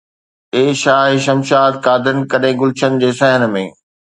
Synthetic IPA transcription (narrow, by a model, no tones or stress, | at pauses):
eːʃaːɦeʃɐmʃaːt̪̚kaːd̪ənkɐɗɦẽɡʊlɪt͡ɕʰənɪ̆d͡ʑeːsɐɦən̆mḛ̃ː